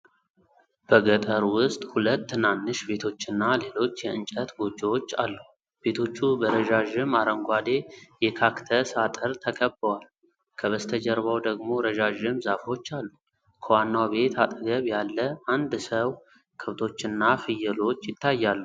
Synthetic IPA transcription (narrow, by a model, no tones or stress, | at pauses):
b̥əɡət̪ʼəɾwʊst̪ʼhulət̪ːɨnanːɨʃbe̞t̪ʰo̞t͡ʃːɪnːale̞lo̞t͡ʃːjɛɨnt͡ʃʼət̪ɡo̞d͡ʒot͡ʃːa̰lːu | b̥e̞t̪ʰo̞t͡ʃːubəɾəʒaʒɪmaɾəŋɡʷad̪e̞jɛkʰakt̪ʰəsat̪ʼəɾt̪ʰəkʰəbːəwal | kʰəβəst̪ʰəd͡ʒəɾβawd̪əɡmo̞ɾəʒaʒɪmzafo̞t͡ʃːalːu | kʰəwanːawbe̞t̪ʰat̪ʼəɡəβjalːəʔand̪səw | kʰɨft̪ʰo̞t͡ʃːɪnːafɨjːɛlo̞t͡ʃːjɪt̪ʰːajːalːu